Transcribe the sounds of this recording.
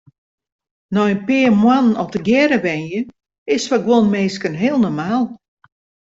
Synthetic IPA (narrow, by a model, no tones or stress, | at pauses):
nɔjənpɪːrmwanənɔp̚təɡjɛɾəʋɛnjə | ɪsfaɡwonmeːskənɦeəlˠnɔmaːlˠ